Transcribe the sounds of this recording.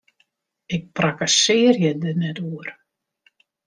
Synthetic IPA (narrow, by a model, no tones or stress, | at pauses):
ɪk̚prakasɪərjədənɛtuər